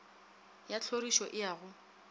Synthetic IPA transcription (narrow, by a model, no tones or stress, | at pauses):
jat͡ɬʰoriʃɔʔɪjaːɣʊ